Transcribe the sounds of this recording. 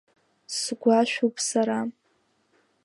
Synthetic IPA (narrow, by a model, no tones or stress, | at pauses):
sɡʷaʃᶣupʰʼsaɾa